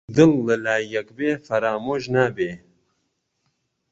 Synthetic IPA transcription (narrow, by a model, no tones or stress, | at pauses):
d̪ɨlːɨlaːɐkbeːfɐɾaːmoʒnabeː